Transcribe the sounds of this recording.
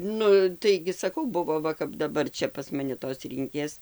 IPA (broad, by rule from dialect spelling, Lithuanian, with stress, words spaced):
ˈnʊ tɐɪɡʲɪ sɐˈkɐʊ ˈbʊʋoː ˈʋɐ kɐp dɐˈbɐr ˈt͡ʃʲɛ pɐs mɐˈnʲɪ toːs ˈrʲiːŋʲkʲeːs